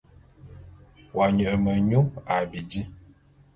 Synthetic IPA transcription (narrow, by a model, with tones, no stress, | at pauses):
wa˨ɲə˨ʔə˨mə˨ɲu˦a˨bi˨di˦